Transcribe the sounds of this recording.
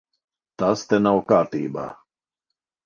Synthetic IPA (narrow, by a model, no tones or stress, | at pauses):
t̪ast̪enawkaːɾt̪iːba̰ː